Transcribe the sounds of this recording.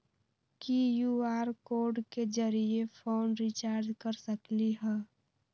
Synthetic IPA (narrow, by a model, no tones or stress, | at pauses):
kijuːaːɾkoːɾɖked͡ʒəɾiefʰoːnɾit͡ʃaːɾd͡ʒkəɾsəkliɦɛ̃ː